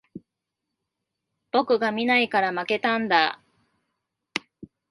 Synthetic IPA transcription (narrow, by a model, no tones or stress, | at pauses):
b̥o̞kɯ̟ɡamʲinaikaɾamake̞t̪ãnd̪a